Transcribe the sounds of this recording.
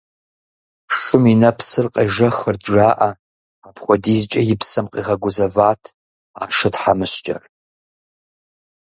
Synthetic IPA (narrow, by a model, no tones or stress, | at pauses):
ʂʷʊminɐpʰsɨrqʼɐʒɐxɨrdʒaːʔɐ | apʰχʷɔdiːzt͡ʃʼɐjɪpsɐmqʼiʁɐɡʷʊzɐvaːtʰ | a̰ːʂɨtħamɨɕt͡ʃʼɐ̰r